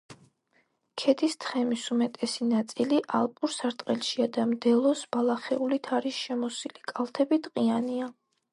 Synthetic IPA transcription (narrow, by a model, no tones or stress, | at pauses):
kʰɛd̪ʰist̪ʰχɛmisumɛt̪ʼɛsinat̪sʼiliʔalˠpʼuɾsaɾt̪ʼqʼɛlˠʃiad̪amd̪ɛlˠɔsb̥alˠaχɛulit̪ʰaɾisʃɛmɔsilikʼalˠt̪ʰɛbit̪ʼqʼiania